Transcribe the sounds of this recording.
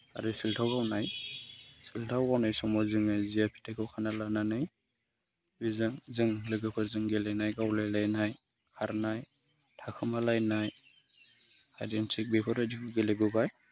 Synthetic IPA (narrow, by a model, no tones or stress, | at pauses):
a̰ɾɯsiltʰawɡawnaj | siltʰawɡawnajsɔmɔzɯŋajzijapʰi̥tʰakʰɯwkʰanalananɯj | bizɯŋzɯŋlɯɡɯpʰɯɾzɯŋɡelajnajɡawlajlajnaj | kʰaɾnaj | tʰakʰɯmalajnaj | a̰jdensik̚bepʰɔɾadiɡɡeleɡɯbaj